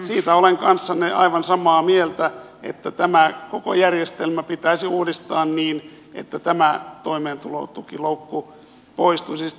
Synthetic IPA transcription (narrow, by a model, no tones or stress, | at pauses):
siːt̪æoleŋkɑnsːɑneʔɑ̰iʋɑnsɑmɑːmielt̪æ | ḛt̪ːæt̪æmækoko̰jærjest̪elmæpit̪æisiuːdist̪ɑːnniːn | ʔḛt̪ːæt̪æmæt̪oimeːnt̪ulo̰t̪ukiloukːu | poist̪usis